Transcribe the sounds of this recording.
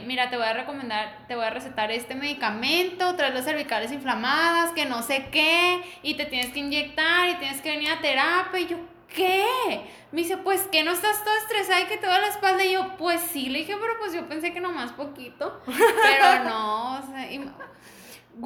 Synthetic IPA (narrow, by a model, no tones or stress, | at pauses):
miɾat̪eo̞jare̞ko̞mẽnd̪aɾt̪e̞βo̞jare̞set̪aɾe̞st̪e̞me̞ðikamẽ̞nt̪o̞t̪ɾaelosːeɾβikale̞s̬iɱflamaðaske̞no̞se̞keit̪e̞t̪je̞neskeind͡ʒe̞k̚t̪aɾit̪je̞neske̞βe̞niɾat̪e̞ɾapjaiʝo̞ | ke | meis̬e̞pwe̞ske̞no̞est̪ast̪oðoest̪ɾe̞saðaiket̪oðalaespald̪aiʝopwe̞sːile̞ðixe̞pe̞ɾo̞pwe̞sʝo̞pe̞nse̞ke̞nomaspo̞kit̪o̞peɾonosei